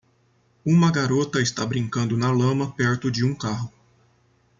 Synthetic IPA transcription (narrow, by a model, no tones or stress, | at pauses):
ũmɐɡaɾot̪ɐɪst̪a̰bɾĩŋkɐ̃nd̪ʊnɐlɐ̃mɐpɛɾt̪ʊd͡ʒɪũkaɦʊ